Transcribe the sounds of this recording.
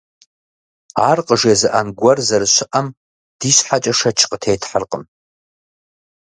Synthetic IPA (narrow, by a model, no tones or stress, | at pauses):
arqʼəʐjazaʔanɡʷarzarʃʷɪʔam | d̥iɕħat͡ʃʼaʂat͡ʃʰqʼtʰejtʰħarqʼə̰m